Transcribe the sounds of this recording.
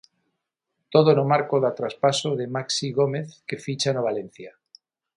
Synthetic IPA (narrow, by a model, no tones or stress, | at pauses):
t̪oðonomaɾkoðat̪ɾaspasoðemaksiɣomeθkefit͡ʃanoβ̞alen̟θja